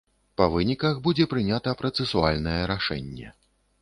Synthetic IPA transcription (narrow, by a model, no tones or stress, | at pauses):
pɐvɨnʲikɐxbud͡zʲɛpɾɨnʲat̪ɐpɾɐt̪sɛsualʲnɐjɛɾaʂɛ̰nʲːɛ̰